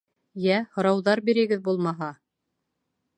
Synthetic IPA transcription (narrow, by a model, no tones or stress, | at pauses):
jæhŏɾɑwðɑɾbiɾɘ̆ɡɘðbulˠmɑɦɑ